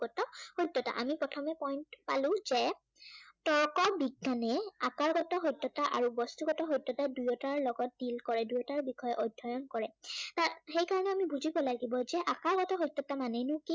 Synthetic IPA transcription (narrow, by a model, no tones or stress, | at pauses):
ɡɔtɔhojtːɔta̰ʔamipɹɔtʰɔmɛpɔjntpalʊ̃zɛ | tɔɹkɔbiɡːanɛakaɹɡɔtɔɦɔjtːɔtaʔa̰ɹubɔstuɡɔtɔɦɔjtːɔtadujɔtaɹlɔɡɔt̚dilkɔɹɛdujɔtaɹbikʰɔjɔʔɔjdʱːɔjɔnkɔɹɛtaxejkaɹɔnɛamibuzibɔlaɡibɔzɛʔakaɹɡɔtɔɦojtːɔtamanɛnʊki